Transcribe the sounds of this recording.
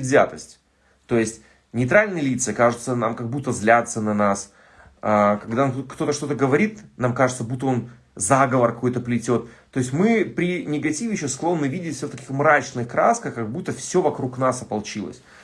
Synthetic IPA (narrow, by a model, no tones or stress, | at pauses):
d̪ʲzʲa̰t̪əsʲtʲ | t̪o̞jɪsʲtʲ | nʲɪjt̪ɾalʲnɨjəlʲit̪sɨkaʐɨt̪sənamkɐɡ̚but̪ːəzlʲat̪sənɐnas | akɐɡd̪akt̪o̞t̪əʂt̪o̞t̪əɡəvɐɾʲit̪namkaʐɨt̪səbut̪ːəo̞n | zaɡəvərkɐko̞jt̪əplʲɪtʲo̞t̪ːo̞ɪsʲtʲmɨpɾʲɪnʲɪɡɐtʲivʲɪjɪɕːosklˠo̞nːɨvʲidʲɪtʲfʲsʲoft̪ɐkʲixmɾat͡ɕnɨxkɾaskəxkɐɡbut̪ːəfsʲɵovɐkɾuknasɐpɐlˠt͡ɕilˠə̰sʲ